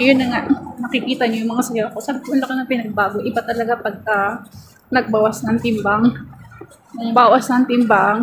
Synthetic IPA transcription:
ŋɐjonːɐŋaʔnɐkɪkiːt̪ɐɲojʊŋmɐŋasɐjokosaːbɪkoʊnlɐkɐnɐpɪnɐɡ̚baːɡoʔɪbat̪ɐlɐɡapɐɡ̚kɐ | nɐɡ̚baːwɐsnɐŋt̪ɪmbaŋ | kʊŋbaːwɐsnɐŋt̪ɪmbaŋ

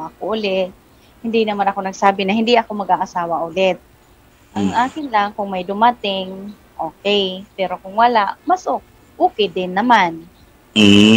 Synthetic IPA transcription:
ʔɐkoʔʊlɛt̪̚ | hɪnd̪ɪnɐmanɐkonɐɡsaːbɪnɐhɪnd̪ɪʔɐkomɐɡaʔasaːwaʔʊlɛt̪̚ | ʔaŋʔaːkɪnlaŋkʊŋmajd̪ʊmat̪ɪŋ | ʔoːkɛjpɛɾokʊŋwɐlaʔmasʔok | ʔuːkɪd̪ɪnːɐman̩

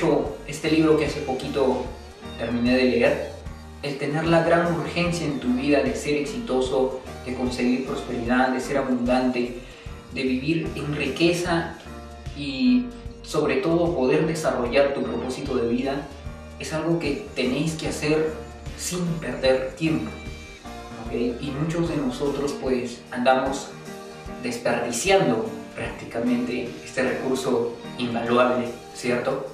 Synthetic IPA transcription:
oe̞st̪e̞liβɾo̞kease̞po̞kit̪o̞ | t̪e̞ɾmĩne̞ðe̞le̞eɾ | elt̪e̞ne̞ɾlaɣɾanuɾxe̞nsjaent̪uβiðaðe̞se̞ɾe̞ksit̪o̞so̞ðe̞ko̞nse̞ɣiɾpɾo̞spe̞ɾiðaðe̞se̞ɾaβund̪ant̪e̞ | ðe̞βiβiɾenrike̞sa | i | so̞βɾe̞t̪o̞ð̞o̞po̞ðe̞ɾðe̞saro̞ʝaɾt̪upɾo̞̰po̞sit̪o̞ðe̞βiða | e̞salɣo̞ke̞t̪e̞ne̞jskease̞ɾ | simpe̞ɾðe̞ɾt̪je̞mpo̥ | okejimut͡ʃo̞zðe̞no̞so̞t̪ɾo̞spwe̞sand̪amo̞z | d̪e̞spe̞ɾðisjand̪o̞pɾak̚t̪i̥kamẽ̞nt̪e̞est̪e̞rḛkuɾso̞imbalwaβle | sje̞ɾt̪o̞

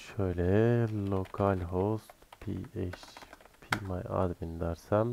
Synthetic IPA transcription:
ʃolelokʰɑlʲɦost̪pʰḭeʃpʰimɑjɑ̰d̪bind̪ɑɾsæm

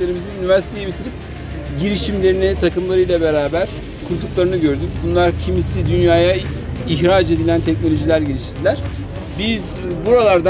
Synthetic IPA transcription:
lʲe̞ɾimizinynivæɾsi̥t̪ʰe̞jibit̪ʰiɾip̚ | ɟiɾiʃimlʲeɾinit̪ʰakɯmlˠaɾɯjlˠabe̞ɾaːbæɾ̥ | kʰuɾt̪ʰuklˠaɾɯnɯɟø̞ɾd̪ymbunlˠaɾcʰimisid̪ynjaːjaiçɾad͡ʒe̞d̪ilʲænt̪ʰɛc̚no̞lʲo̞ʒilʲæɾɟelʲiʃɾd̪ilʲæɾ̥ | bizbuɾalˠaɾd̪a

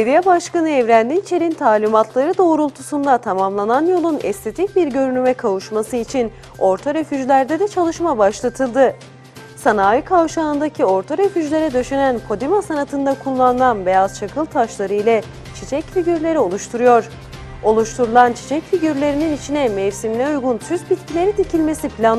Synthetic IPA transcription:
evijɛbaʃkanɯɛvɾænd̪int͡ʃʰe̞ɾint̪ʰaːlʲimat̪ʰlˠaɾɯd̪o̞ːɾulˠt̪ʰusund̪at̪ʰamamlˠananjo̞lˠunɛ̰st̪ʰe̞t̪ʰic̚biɾɟø̞ɾynymɛkʰavuʃmasɯit͡ʃʰin | o̞ɾt̪ʰaɾefyd͡ʒlʲæɾd̪ɛd̪ɛt͡ʃʰalˠɯʃmabaʃlˠat̪ʰɯlˠd̪ɯ | sanaːjikʰavʃaːɯnd̪acʰio̞ɾt̪ʰaɾefyd͡ʒlʲe̞ɾɛd̪ø̞ʃenænkʰo̞d̪imasanat̪ʰɯnd̪akʰulˠːanɯlˠanbe̞jaz̥t͡ʃʰakʰɯlˠt̪ʰaʃlˠaɾɯjlʲɛ | t͡ʃʰit͡ʃʰɛcfiɟyɾlʲe̞ɾio̞lˠuʃt̪ʰuɾujo̞ɾ̥ | o̞lˠuʃt̪ʰuɾulˠant͡ʃʰi̥t͡ʃʰɛcfiɟyɾlʲe̞ɾininit͡ʃʰinɛmɛvsimlʲɛujɡunt̪ʰyzbit̪cʰilʲe̞ɾit̪ʰicilʲme̞sipʰlʲan

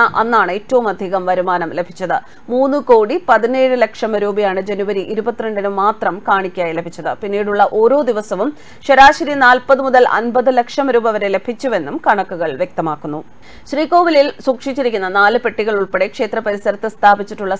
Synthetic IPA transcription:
ɐʔɐnːaːɳɨetːɐʋumɐd̪ʱiɣɐmʋɐɾumaːnɐmle̞bʱit͡ɕːɐðɨ | muːnːɨko̞ːɽipɐðine̞ːɻɨlɐkʂɐmɐɾuːbɐjaːɳɨd͡ʑenuʋɐɾiʔiɾubɐt̪ːiɾeɳɖinumːaːt̪rɐmkaːɳikʲːaːjile̞bʱit͡ɕːɐðɨpinːiːɽuɭːɐʔo̞ːɾo̞ːd̪iʋɐsɐʋum | ɕɐɾaːɕɐɾinaːlpɐðɨmuðɐlɐ̰nbɐðɨlɐkʂɐmɐɾuːbɐʋɐɾe̞le̞b̥ʱit͡ɕːuʋe̞nːumkɐɳɐkːuɣɐɭʋjek̚t̪ɐmaːkːunːu | ɕriːko̞ːʋililsuːkʂit͡ɕːiɾikʲːunːɐnaːlɨpe̞ʈːiɣɐɭuɭpe̞ɽe̞kʂe̞ːt̪rɐpɐɾisɐɾɐt̪ːɨst̪ʰaːbit͡ɕːiʈːuɭːɐ

